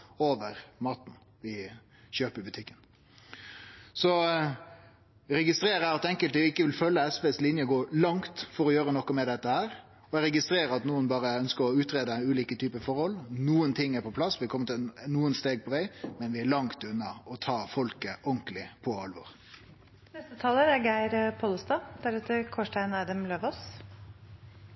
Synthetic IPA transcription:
oːʋəɾmɑːt̪n̩ | ʋɪ | çøːpəɾbʉt̪ʰɪkːən | sɔ | ɾɛɡɪst̪ɾeːɾæɾɑt̪ɛŋkəlt̪ɪkːəʋɪlfœlːəɛsʋeːslɪnjəɡoːlɑŋt̪fɔɾɔjøːɾənɔkːɔmɛd̪ɛt̪ːəhæːɾ | ɔɾɛɡɪst̪ɾeːɾəɑt̪nuːənbɑːɾəœnskəɾɔʉːt̪ɾeːd̪əʉːliːkət̪ʰyːpəfɔɾhɔlnuːənt̪ʰɪŋːæɾpʰɔpʰlɑsːʋɪkʰɔmːət̪ɪnuːənst̪eːɡ̚pʰɔʋæɪmɛnʋɪæɭɑŋt̪ʉnːɑɔt̪ʰɑːfɔlkəʔɔŋkəlɪpʰɔɑlʋɔ̰ɾ | nɛst̪ət̪ʰɑːləɾæɡæɪɾpʰɔləst̪ɑːd̪̥æɾɛt̪ːəɾkʰɔʂʈæɪnæɪd̪əmløːʋɔs

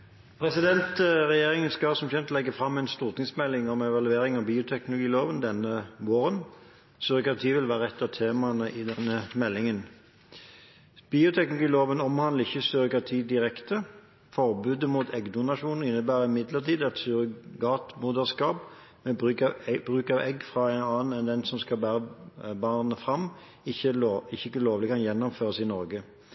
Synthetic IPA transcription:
pʰʁɛsɪd̪ɛnt̪ʁɛjeːʁɪŋənskɑsɔmçɛnt̪lɛɡːəfʁɑmːɛɪnst̪uːʁt̪ɪŋsmɛlːɪŋɔmɛʋɑlʉeːʁɪŋɑʋbiːʊt̪ʰɛknʊlʊɡiːloːʋənd̪ɛnːəʋoːɾən | søʁɪkɑʁt̪ʰiːʋɪlʋæːʁəɛt̪ːət̪ʰeːmɑnəʔɪd̪ɛnːəmɛlːɪŋən | biːʊt̪ʰɛknlʊɡiːloːʋənɔmhɑnd̪ləɪçːəsøʁkɑt̪ʰiːd̪ɪʁɛkt̪ə | fɔʁbʉːd̪əmuːt̪ʰɛɡd̪ʊnɑʃuːnn̩ɪnːəbæːʁɪmɪd̪ləʁt̪ʰiːd̪ɛt̪syʁɡɑːt̪muːd̪əʁskɑːp | mɛbʁʉːkɑʋɛɡfʁɑæɪnɑːnn̩ɛnd̪ɛnsɔmskɑlbæːʁəbɑːnnəfʁɑm | ɪçəɪçːəɪkːəloːʋlɪkʰɑnjɛnːʊmføːʁəsɪnɔʁɡə

